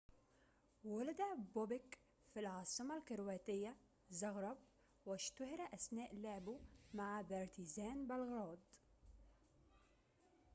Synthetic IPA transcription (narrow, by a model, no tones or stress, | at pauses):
walad̪æbobɪk | filʕɑːsˤɨmɑlkɪɾwæːt̪ɪjːæ | zɑɣɾˤɑb | wɪʃt̪ʊhɪɾæʔæsnæːʔleʕbumaʕabɑɾˤt̪izæːnbælɣɾɑːd̪